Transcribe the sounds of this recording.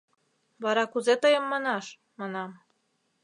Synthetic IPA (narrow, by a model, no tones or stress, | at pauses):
βɑɾɑkuzet̪ɤjəmːɑnɑʃ | mɑnɑm